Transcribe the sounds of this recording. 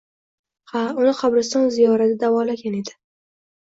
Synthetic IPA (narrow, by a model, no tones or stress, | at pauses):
haʊnɪqʰabɾɪst̪ɒnzijɒɾad̪ad̪avɒlaɡʲaned̪ɪ̥